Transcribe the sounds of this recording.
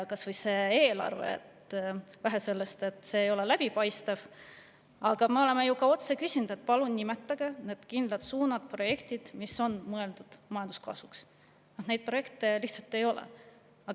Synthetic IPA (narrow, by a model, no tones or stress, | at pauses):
kɑsvɤjse̞ːeːlɑ̰rvḛḛt̪væɦese̞lːest̪e̞t̪ːˑse̞ːjo̞le̞læb̥ipɑjst̪ɑv̥ | ɑɡ̥ɑmeo̞le̞mejukɑo̞t̪se̞kysʲinud̪̥e̞t̪̚ːˑpɑlunnimet̪ˑːɑɡ̥ene̞ːd̪̥kind̪̥lɑt̪suːnɑd̪̥̚pro̞je̞kt̪id̪̥miso̞nmɤe̞ld̪ud̪̥mɑjɑnd̪̥u̥skɑ̰suks | nɑh̪nejd̪̚pro̞je̞kt̪ˑe̞liçht̪sɑlt̪ːˑe̞jo̞lḛ | ɑɡ̥ɑ